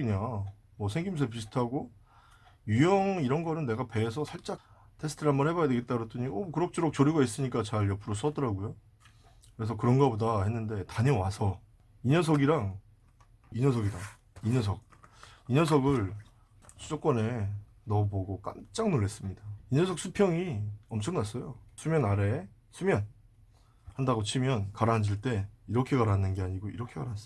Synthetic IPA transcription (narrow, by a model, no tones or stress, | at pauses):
iɲa | mʌsʰe̞ŋɡimusʰep̬isʰɯ̥tʰaɡo | jujʌŋiɾʌnɡʌɾɯnːe̞ɡape̞ːs̬ʰʌsʰaɭt͡ɕ͈a | tʰe̞sʰɯ̥tʰɯɭɦambʌnɦhe̞bajade̞ɡet͈aɾot͈ɯɲiokɯɾʌk̚t͡ɕ͈uɾok̚t͡ɕoɾuɡais͈ɯɲik͈at͡ɕaɭjʌpʰɯɾos̬͈ʌdʌɾaɡojo | kɯɾe̞s̬ʰʌkɯɾʌnɡʌbodahe̞nːɯnde̞taɲe̞wasʰʌ | iɲʌs̬ʰʌɡiɾaŋ | iɲʌs̬ʰʌɡida | iɲʌs̬ʰʌk̚iɲʌsʰʌɡɯɭ | sʰud͡ʑok͈wʌne̞ | nʌboɡok͈a̰mt͡ɕ͈aŋnoɭːes͈ɯmɲidaiɲʌsʰʌk̚s͈ʰupʰjʌŋiʌmt͡ɕʰʌŋnas͈ʌjosʰumjʌnaɾe̞ | sʰumjʌn | handaɡot͡ɕʰimjʌnkaɾand͡ʑiɭt͈e̞iɾʌkʰe̞kaɾanːɯnɡe̞aɲiɡoiɾʌkʰe̞kaɾas͈